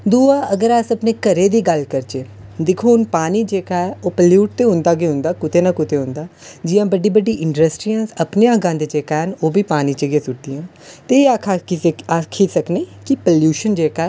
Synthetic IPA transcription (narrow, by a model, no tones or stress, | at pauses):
d̪uːaːʔəɡəɾaːsəpneːkəɾeːd̪iːɡəlkəɾt͡ʃeː | d̪ɪkʰoːʊnpaːniːd͡ʒeːkaːɛoːpəljuːʈ̚t̪eːɦʊ̃nd̪aːɡeːɦʊ̃nd̪aːkʊt̪eːnãːkʊt̪eːɦʊ̃nd̪aːd͡ʒɪjãːbəɖiːbəɖiːʔɪɳɖɾəsʈɾijãːsəpneːãːɡãːnd̪eːd͡ʒeːkaːɦənoːbiːpaːniːt͡ʃeɡeːsʊʈ̚d̪iːãː | t̪eːaːkʰaeakʰiːsəknẽːkipəljuːʃənd͡ʒeːkaːɛː